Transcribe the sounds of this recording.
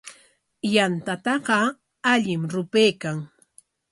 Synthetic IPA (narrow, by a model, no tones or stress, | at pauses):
jant̪at̪ɑɢɑ | aʎɪmɾʊpejkaŋ